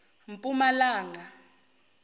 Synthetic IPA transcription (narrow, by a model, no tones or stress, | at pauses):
m̩pʼumalaːŋa